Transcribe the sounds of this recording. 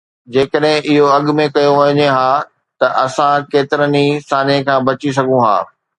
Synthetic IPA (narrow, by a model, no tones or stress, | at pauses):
d͡ʑeːkəɗɦɪ̃ʔɪɦoɐɠmẽkɐjoʋɐɲeɦaː | t̪ɐʔɐsãkeːt̪ɪɾənisaːnẽkʰãːbɐt͡ɕis̬ɐɡʱũɦa̰ː